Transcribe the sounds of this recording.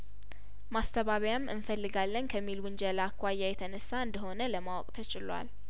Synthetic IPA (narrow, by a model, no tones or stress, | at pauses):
mast̪ʰəβaβjamʔɨ̰nfəlːɨɡalːənkʰəmːilwɨnd͡ʒɛlakʰʷːajːajɛt̪ʰənəsːaɨnd̪əɦo̞nələmawɔkʼt̪ʰət͡ʃʼɪlwa̰l